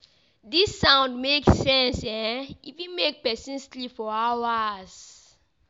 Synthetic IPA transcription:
disːãʊ̃ndmeksɛ̃nsɛ̃ifjimek̚pɛsĩnstlifɔawaz̥

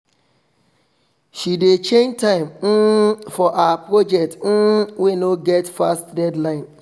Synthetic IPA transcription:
ʃidet͡ʃẽntaɪ̃mn̩fɔʔaapɾɔd͡ʒɛk̚tn̩wenoɡɛtfastdɛdlaɪn

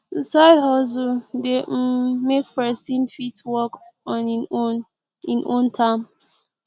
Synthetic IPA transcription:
sadhɔs̬udemek̚pɛsĩnfitwɔkɔ̃n | ĩnʔõntʰam | s

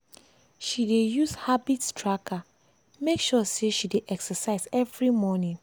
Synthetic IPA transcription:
ʃidejuzhabitstʰɹakʰa | mekʃɔseʃideʔɛksəsaɪzɛvɹimɔnĩn

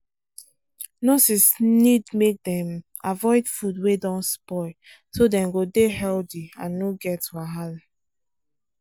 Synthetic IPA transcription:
nosisnidmek̚dɛ̃m | avɔɪdfudwedɔ̃nspɔ | sodɛ̃mɡodehɛldiãnːoɡɛtwaɦal

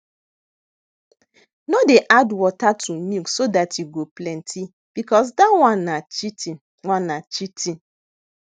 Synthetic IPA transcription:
nɔdeʔadwɔtatʰumiksodatʰiɡoplɛ̃ntʰi | b̥ikɔs̬dawãnːat͡ʃiti | wãnːat͡ʃitʰi

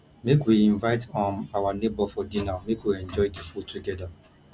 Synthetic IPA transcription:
mekwiĩnvaɪtɔ̃nawanebɔfɔdinamekwiɛ̃nd͡ʒɔɪdifutʰuɡɛda

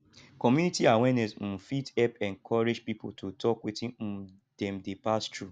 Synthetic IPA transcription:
kɔmjunitiawɛnɛsm̩fitɛpɛ̃nkʰɔɹed͡ʒpipotʰotʰɔkwetĩ | d̥ɛ̃mdepastɹu

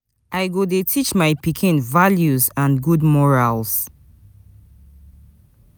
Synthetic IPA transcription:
ʔajɡodetʰit͡ʃmaɪpikʰɪ̃nvaljuzãnɡudmɔɹalz̥

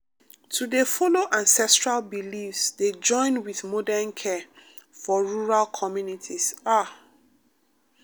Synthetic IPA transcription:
tʰudefɔloʔãnsɛstɹalbilifsded͡ʒɔ̃ɪ̃nwiðmɔdɛnkʰɛ | fɔɹuɹalkʰɔmjunitʰisa

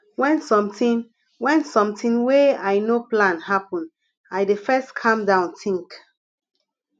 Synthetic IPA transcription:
wɛ̃nsɔ̃mtĩn | wɛ̃nsɔ̃mtĩŋweaɪnoplãnhapɔ̃n | ajdefɛstkʰãmdãʊ̃ntĩŋk

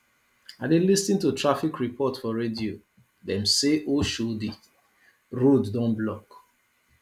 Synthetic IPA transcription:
adelistĩntutɹafikɹipʰɔtfɔɹedio | dɛ̃mseʔoʃudi | ɹoddɔ̃nblɔk

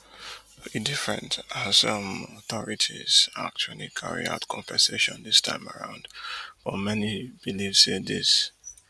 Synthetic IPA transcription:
idɪfɹɛ̰̃ntasʌ̃mɔθɔɹitʰiz̥a̰k̚t͡ʃuəlikʰaɹḭa̰ʊtkʰɔ̃ɱvəseʃɔ̃nðɪstʰã̰ɪ̃məɹã̰ʊ̃ndfɔmɛnib̥ilifsedɪs

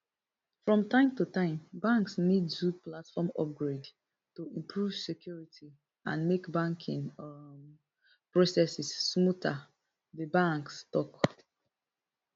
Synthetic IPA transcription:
fɹɔ̃mtãɪ̃mtutãɪ̃mbãŋksnidzud̚platfɔmɔ̰p̚ɡɹed | tuĩmpʰɹuv̥sɛkʰjuɹitʰi | ã̰nmekbãŋkʰḭ̃ŋ | pɹosɛsisːmutʰa | ðəbãŋkstɔk

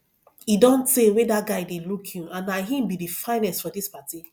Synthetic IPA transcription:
idɔ̃ntsewedat̚ɡaɪdelukʰĩãnːaɦĩmbidifãɪ̃nɛstfɔdispati

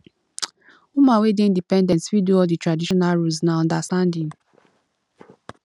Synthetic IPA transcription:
umãwedeĩndipɛ̃ndɛ̃ntswiduɔlditɹadiʃɔnalɹulsnaɔ̃ndastãndĩm̩

